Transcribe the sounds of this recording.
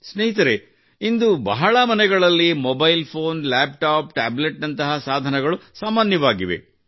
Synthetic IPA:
sneɦit̪ɐɾe | ind̪ubɐɦɐɭɐmɐnɛɡɐɭɐlːimɔbɐjlpʰoːnlaːp̚ʈaːpʈaːbleʈnɐnt̪ɐɦɐsaːd̪ʱɐnɛɡɐɭusaːmaːnjɐʋaːɡiʋe̞̰

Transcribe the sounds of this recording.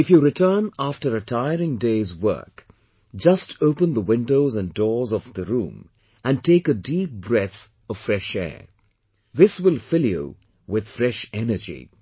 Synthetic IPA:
ɨfjɨɾɨtʰɜ̃˞næftə˞ɨtʰaɪəɹɪ̃ŋdeɪzwɜ̰˞k | d͡ʒʌstʰoʊpə̃nðəwɪ̃ndoʊzɨ̃ndɔɹzʌvðəɹṵ̃m | ʔɨ̃ntʰeɪkɨdip̚b̥ɹɛθ | ʌv̥fɹɛʃɛ̰ɹ | ðɪswɪlˠfɪlˠjṵ | wɪð̥fɹɛʃɛnə˞d͡ʒḭ

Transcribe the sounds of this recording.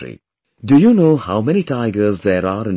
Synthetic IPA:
ḭ | dujuːnoːhaʊmɛñiʈaɪɡəɾzd̪eːɾaːɾɪ̃n

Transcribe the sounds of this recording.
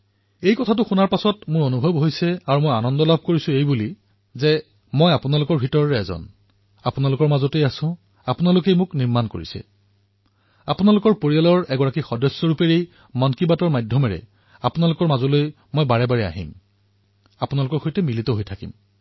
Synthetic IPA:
ejkɔtʰatʊxunaɹpasɔtmʊɹonubʱɔbɦojsɛaɹumojanɔndɔlabʱkoɹisʊ̃ejbuli | zɛ | mɔjapʊnalʊkɔɹbʱitɔɹɔɹɛɛzɔ̰n | apunalʊkɔɹmazɔtejasʊ̃ | apʊnalʊkejmʊkniɹmanko̰ɹḭsɛ̰ | apʊnalʊkɔɹpoɹijalɔɹɛɡɔɹakixɔdɔsːɔɹupeɹej | mɔnkibatɔɹmajdʱɔmɛɹɛ̰ | apʊnalʊkɔɹmazɔloj | mɔjbaɹɛbaɹɛa̰ɦḭm | apunalʊkɔɹxojtɛmilitɔɦojtʰakḭm

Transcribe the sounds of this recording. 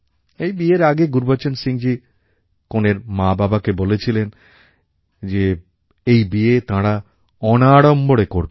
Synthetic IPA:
ejbieɾaɡeɡuɾbat͡ɕonsiŋd͡ʑi | koneɾmãbabakebolet͡ɕʰilen | d͡ʑe | ejbiet̪ãɽa | ɔnaɽomboɽekoɾbe

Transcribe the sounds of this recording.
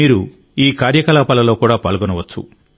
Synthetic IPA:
iːɾu | iːkaːɾjɐkɐlaːpɐlɐlo̞ːkuːɽaːpaːlɡonɐʋɐt͡ʃːṵ

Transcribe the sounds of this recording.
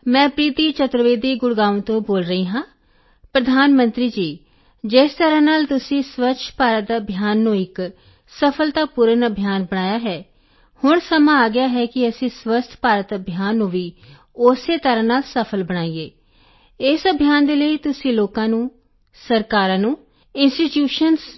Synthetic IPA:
mɛ̃ːpɾiːt̪iːt͡ʃət̪ɾəʋeːd̪iːɡʊɽɡãːnt̪õːboːlɾəiːɦãː | pɾəd̪ʱaːnmənt̪ɾiːd͡ʒiː | d͡ʒest̪əɾãːnaːlt̪ʊsĩːsʋətːʃʰpaːɾəaːəbʱjaːnːũːɪk | səpʰəlt̪aːpuɾənəbʱjaːnbəɽaːjaːɦɛː | hʊɳsəmãːaːɡɪjaːɦɛːkɪəsĩːswəst̪ʰpaːɾət̪əbʱjaːnːũːʋiː | oseːt̪əɾãːnaːlsəpʰəlbəɽ̃aːiːeː | ɪsəbʱijaːnd̪eːləiːt̪ʊsĩːloːkãːnũː | səɾkaːɾãːnũː | ɪnsʈiʈjuːʃəns

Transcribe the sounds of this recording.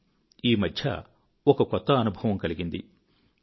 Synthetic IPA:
iːmɐd̪ʱjɐ̰ | ɔkɐkɔt̪ːɐːnubʱɐʋɐmkɐliɡind̪i

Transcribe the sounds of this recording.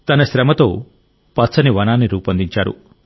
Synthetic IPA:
t̪ɐnɐsɾɐmɐt̪oː | pɐt̪sʰɐniʋɐnaːnːiɾuːpɐnd̪iɲt͡ʃa̰ːɾṵ

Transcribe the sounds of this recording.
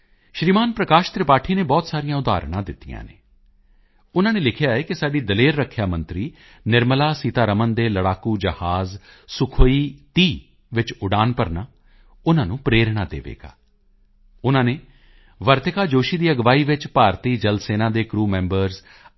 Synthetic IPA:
ʃɾiːmaːnpɾəkaːʃt̪ɾɪpaːʈʰiːneːbɔːt̪saːɾɪjãːʊd̪a̰ːɾɳ̃ãːd̪ɪt̪ːijã̰ːnḛː | ʊnãːneːlɪkʰɪjaːɛːkɪsaːɖiːd̪əleːɾːəkʰːjaːmə̃nt̪ɾiː | nɪɾməlaːsiːt̪aːɾəmənd̪eːləɽaːkuːd͡ʒəhaːz | sʊkʰoːiːt̪iː | ʋɪt͡ʃʊɖaːnpəɾnaː | ʊnãːnũːpɾeːɾɽ̃aːd̪ḛːʋḛːɡa̰ː | ʊnãːneː | ʋəɾt̪ɪkaːd͡ʒoːʃiːd̪iːəɡʋaːiːʋɪt͡ʃpaːɾt̪iːd͡ʒəlseːnãːd̪eːkɾuːmɛ̃ːmbəɾz

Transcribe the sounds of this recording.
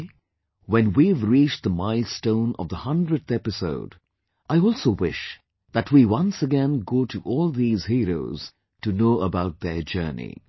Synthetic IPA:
wɛ̃nwivɾit͡ʃd̪əmaɪlstõʊ̃nɔ̰vd̪əhʌ̃ndɹədθɛpɪso̰ʊd | ʔaɪɔːlˠsoʊwɪʃ | ðətwiwʌ̃nsəɡɛ̃nɡoːʈʰuʔɔːlˠðiːz̥hiːɾo̰ʊz̥ | tunoːəbaʊt̪̚d̪ə˞d͡ʒɜ̰ːnḭ

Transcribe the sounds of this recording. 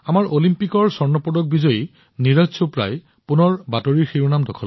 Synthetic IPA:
amaɹʔolimpikɔɹsɔɹnɔpɔdɔɡ̚bizɔji | niɹasopɹa̰j | punɔɹbatoɹiɹxiɹunamdɔkʰɔl

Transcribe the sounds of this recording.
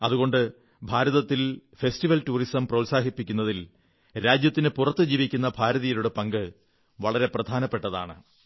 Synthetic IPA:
ɐðuɣo̞ɳɖɨ | bʱaːɾɐðɐt̪ːilfestiʋɐltuːrisɐmprɐʋusaːɦipːikʲːunːɐðil | ɾaːd͡ʑjɐt̪ːinɨpurɐt̪ːɨd͡ʑiːʋikʲːunːɐbʱaːɾɐðijiluɽe̞pɐŋɡɨ | ʋɐɭɐɾe̞prɐd̪ʱaːnɐpːe̞ʈːɐða̰ːɳɨ̰

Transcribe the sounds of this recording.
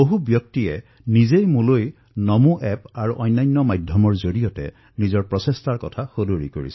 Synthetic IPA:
boɦubjɔk̚tiɛ | nizejmũloj | nɔmuʔɛpaɹuʔɔjnːajnːɔmajdʱjɔmɔɹzoɹijɔtɛ̰ | nizɔɹpɹɔsestaɹkɔtʰaxodoɹḭkoɹḭsɔ

